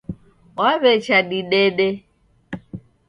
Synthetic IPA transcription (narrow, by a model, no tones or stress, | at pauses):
waβɛt͡ʃʰaɗiɗɛɗɛ